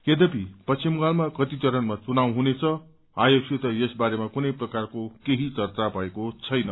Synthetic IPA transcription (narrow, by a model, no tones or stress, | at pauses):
ed̪ʌpipʌsʰimɡalmakʌt̪it̪ʌɾʌnmat͡sunaw̃ɦunet͡sʰʌ | ajoksit̪ʌjesbaɾemakunʌjprʌkarkokeɦit͡sʌrt͡sapaekot͡sʰʌjnʌ